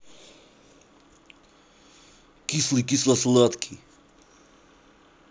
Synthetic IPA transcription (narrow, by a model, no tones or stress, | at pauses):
kislikislasulˠat̪kʰi